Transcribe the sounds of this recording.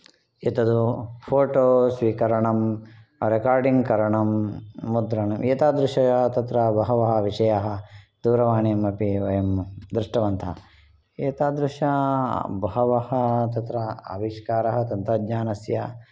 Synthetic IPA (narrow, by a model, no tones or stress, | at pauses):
et̪ɐd̪upʰoːʈoːsʋikɐɾɐɳɐmɾekaːɾɖiŋɡkɐɾɐɳɐmːud̪ɾɐɳɐmeːt̪aːd̪ɾuʂɐjaɦɐt̪ɐt̪ɾɐbɐɦɐʋɐɦɐʋiʂɐjaɦɐd̪uːɾɐʋaːɳijɐmɐpiʋɐjɐmd̪ɾiʂʈɐʋɐnt̪ʰɐ̰ | eːt̪aːd̪ɾuʂɐbɐɦɐʋɐhɐt̪ɐt̪ɾɐɐ̰ʋiʂkaːɾɐɦɐt̪ɐnt̪ɐd̪ɲaːnɐsjɐ